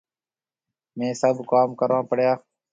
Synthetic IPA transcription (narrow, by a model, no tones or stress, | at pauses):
mẽːsəbkaːmkəɾãːpəɽjaː